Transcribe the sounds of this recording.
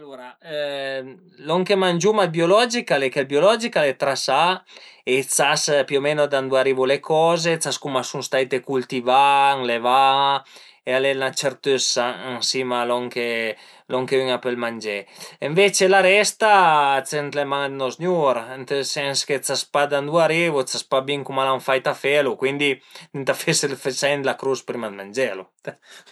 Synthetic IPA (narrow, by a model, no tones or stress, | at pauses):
alːoɾa | lɔŋkemand͡ʒumabjolɔd͡ʒikalekelbjolɔd͡ʒikalet̪ɾasaet͡saspiomenod̪and̪uaɾibolekʰɔzet͡saskumasunst̪ajt̪ekult̪ivaŋleva | ealenat͡ʃeɾt̪øsaansimalɔŋke | lɔŋkeyŋapelmand͡ʒɛeɱvet͡ʃelaɾɛst̪at͡s̪ent̪lemaŋd̪nɔsnjuɾnt̪esɛnsket͡saspad̪and̪uaɾivot͡saspabiŋkumalaɱfajt̪afɛlokwind̪inint̪afeselfet͡ʃajnd̪lakɾuspɾimad̪mand͡ʒɛlo